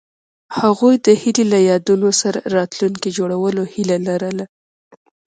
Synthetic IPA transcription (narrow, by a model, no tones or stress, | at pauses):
haɣujd̪əhililajɑd̪unosaɾa̰ɾɑt̪luŋkid͡ʒoɽawəlohilalaɾəla